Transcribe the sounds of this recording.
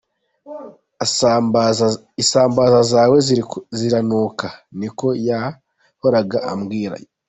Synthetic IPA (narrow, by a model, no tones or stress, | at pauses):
isaːmbaːzazaːwezziɾanuːkaniko̞ja | ho̞ɾaɡaʔamɡiːɾa̰jo